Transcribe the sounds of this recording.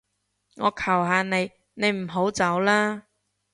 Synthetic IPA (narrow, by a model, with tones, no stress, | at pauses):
ŋɔː˨˧kʰɐ˨˩wɦaː˧ne˨˧j | ne˨˧jm̩˨˩ɦo˨˥wt͡sɐ˨˥wlaː˥